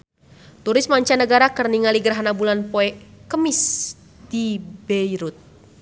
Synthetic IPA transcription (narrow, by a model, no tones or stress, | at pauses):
t̪uɾɪsmaɲt͡ʃanəɡaɾakərniŋaliɡəɾaɦanabulanpoɛkəmis | dibɛiɾut̪̚